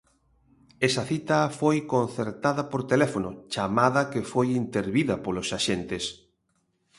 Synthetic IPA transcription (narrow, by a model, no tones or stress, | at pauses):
ɛsɐθit̪ɐfojkon̟θeɾt̪aðɐpoɾt̪elɛfonot͡ʃamaðɐkefojint̪eɾβiðɐpolosaʃent̪es